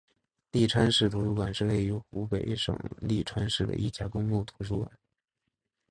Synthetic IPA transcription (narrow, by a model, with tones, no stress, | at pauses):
li˥˩ʈ͡ʂʰwa˥nʂɻ̩˥˩t̪ʰu˧˥ʈ͡ʂu˥˧kwa˨˩nʂɻ̩˥˧le˥˩ɪo˧˥xu˧˥pe˨˩ɪʂɤ̰˨˩ŋli˥˩ʈ͡ʂʰwa˥nʂɻ̩˥˩d̪ə̰˧ʔi˥˩t͡ɕja˧˥kʊ˥ŋlu˥˩t̪ʰu˧˥ʈ͡ʂu˥˩kwa̰˨˩˦n